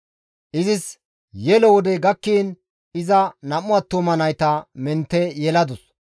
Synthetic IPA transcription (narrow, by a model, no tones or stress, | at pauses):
ʔɪzɪs | jɛlɔwɔd̪ɛɡɐkːiːn | ɪzɐnɐmʊaːt̪ːomɐnɐjt̪ɐmɛnt̪ːɛjɛlɐd̪ʊs